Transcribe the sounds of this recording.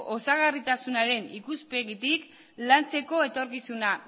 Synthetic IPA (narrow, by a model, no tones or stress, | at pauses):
ʔosaɣarit̪asunaɾe̞nikuspe̞ɣit̪ik | lant͡se̞ko̞e̞t̪o̞ɾkisuna